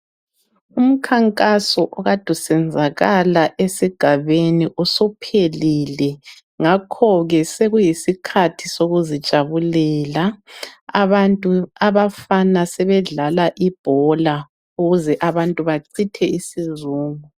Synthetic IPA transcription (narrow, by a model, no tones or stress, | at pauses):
um̩kʰaŋkʼasɔʔɔɣad̥ʱusɛnd͡zʱaɣalaʔesiɡ̥ʱaβeniʔusɔpʰelilɛ | ŋakʰɔɣɛseɣujisikʰatʰisoɣuzid̥ʒ̥ʱaβulɛːlaa̰βantʼuaβafanasɛβɛɮalaʔib̥ʱɔla | uɣuzɛʔaβantʼuβaǀʰitʰɛisizuːŋu